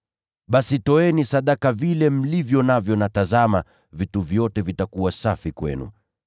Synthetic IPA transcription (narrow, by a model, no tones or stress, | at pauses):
ɓasitɔɛnisaɗakavilɛm̩livjɔnavjɔnatazama | vituvjɔtɛvitakuwasafikwɛ̰nṵ